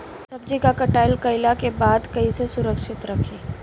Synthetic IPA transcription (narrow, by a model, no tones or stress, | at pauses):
sɐbd͡ʒikakɐʈaːɪlkɐɪlakebaːd̪kɐisesʊɾəkʃɪt̪ɾɐkʰiː